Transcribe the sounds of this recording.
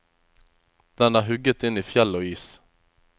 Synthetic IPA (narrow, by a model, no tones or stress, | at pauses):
d̪̥ɛnæɾɦɵɡːət̪ɪnːɪfjɛlːɔiːs